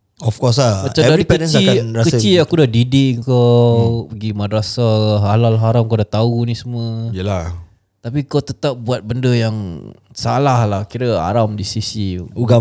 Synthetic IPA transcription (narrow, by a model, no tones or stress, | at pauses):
ɔfkɔs̬laat͡ʃaɛdaɾipɛənə̃t͡ʃnsaikanɾakəət͡ʃiakudahdidɪʔəŋkapəɡimadɾasaɦalalɦaɾamkawdat̪aunisəmə̃ijəlah | t̪apikawt̪ət̪ap̚buat̪̚bəndəjaŋsalahlahkiɾəa̰ɾamdisisiuɡa